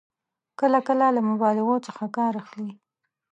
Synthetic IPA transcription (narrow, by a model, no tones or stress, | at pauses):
kəlakəlalamʊbɑlɪɣot͡səxakɑɾaxli